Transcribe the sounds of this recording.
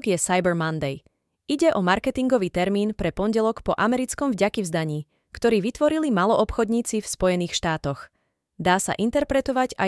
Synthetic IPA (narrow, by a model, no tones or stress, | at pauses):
ɡjɛsajbɛɾmand̪ɛj | iɟɛʔɔmaɾkɛt̪iŋɡɔʋiːt̪ɛɾmiːnpɾɛpɔnɟɛlɔkpɔʔamɛɾit͡skɔmvɟakivzd̪aɲiː | kt̪ɔɾiːʋit̪ʋɔɾilimalɔʔɔpxɔd̪ɲiːt͡sifspɔjɛniːxʃt̪aːt̪ɔɣ | d̪aːsa̰ʔint̪ɛɾpɾɛt̪ɔʋaɟa̰